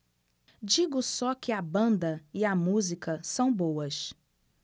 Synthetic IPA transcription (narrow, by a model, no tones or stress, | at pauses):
d͡ʒiɡʊsɔkɪɐbɐ̃nd̪ɐiɐmuzikɐsɐ̃w̃bowɐs